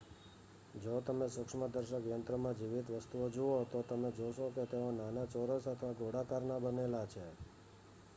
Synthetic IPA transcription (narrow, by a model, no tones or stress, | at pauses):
d͡ʒot̪əmesʊkʂməd̪əɾʃəkjənt̪ɾəmãd͡ʒiʋit̪ʋəst̪uod͡ʒuot̪ot̪əmed͡ʒoʃoket̪eonanat͡ʃoɾəsət̪ʰəʋaɡoɽakaɾnabənelat͡ʃʰe